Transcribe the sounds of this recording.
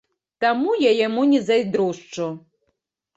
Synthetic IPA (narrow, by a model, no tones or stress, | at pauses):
t̪amujajamunʲɛzajd̪ɾuʂt͡ʂu